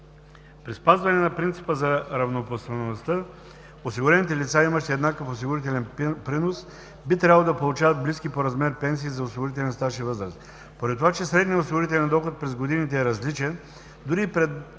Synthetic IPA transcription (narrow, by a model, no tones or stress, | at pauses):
pɾispazvɐnɛnɐpɾint̪si̥pəzɐɾɐvnopost̪ɐnost̪ə | osiɡʊɾɛnit̪̬ɛlit̪saimɐʃt̪ɛɛd̪nakəfos̬iɡʊɾit̪ɛlʲɛnpɾinos | bit̪ɾʲabəlˠod̪ɐpolˠut͡ʃavət̪̚bliskipoɾɐzmɛɾpɛnsiːzɐosiɡʊɾit̪̬ɛlʲɛnst̪aʃivɤzɾɐst̪ | poɾɛt̪t̪ːovat͡ʃɛsɾɛd̪nijɐosiɡʊɾit̪ɛlʲɛnd̪ɔxot̪̚pɾɛzɡod̪init̪ɛːɾɐzlit͡ʃɛn | d̪ʊɾiːpɾɛd̪